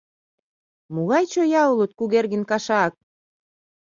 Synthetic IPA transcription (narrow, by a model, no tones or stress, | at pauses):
muɣɑjt͡ɕojɑulot̪̚kuɣerɣɘ̆nkɑʃɑk̚